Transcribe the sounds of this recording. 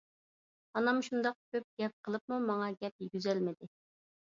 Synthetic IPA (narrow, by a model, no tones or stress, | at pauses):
ɑnɑmʃund̪ɑq̚kʲʰøp̚ɡ̥ʲɛp̚qʰəlˠəp̚mumɑŋɑɡʲɛp̚jiɡʲyzɛlmɪd̪ɪ